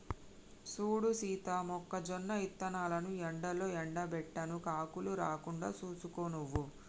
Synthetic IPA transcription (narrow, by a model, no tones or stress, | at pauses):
suːɽusiːt̪ɐmɔkːɐd͡ʒɔnːɐit̪ːɐnaːlɐnuɛɳɖɐlo̞ːɛɳɖɐbɛʈːɐnukaːkuluɾaːkuɳɖaːt͡ʃuːsukoːnuʋːu